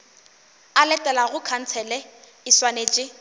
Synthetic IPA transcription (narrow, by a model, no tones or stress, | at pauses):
alɛtʼɛlaɣʊkʰan̩t͡sʰɛlɛ | ɪswaneːt͡ʃʼɪ